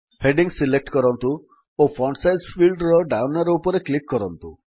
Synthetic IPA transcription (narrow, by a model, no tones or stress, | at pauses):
heɖiŋsilek̚ʈkɔɾɔnt̪u | ofʰɔɳɖsajzfʰilɖɾɔɖawnaɾeupɔɾeklikːɔɾɔnt̪u